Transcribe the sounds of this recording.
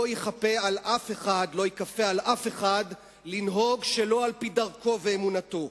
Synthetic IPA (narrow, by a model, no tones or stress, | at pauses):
ojeχapealʔafeχadlo̞jekafealʔafe̞χad | linɦo̞ɡʃelo̞alpidaʁko̞veːmunat̪o̞